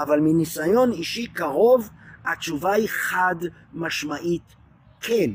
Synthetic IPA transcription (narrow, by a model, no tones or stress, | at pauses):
ʔavalminisajo̞niʃikaʁo̞va̰t͡ʃuvaiχad̪ | maʃmaʔit̪ | kʰen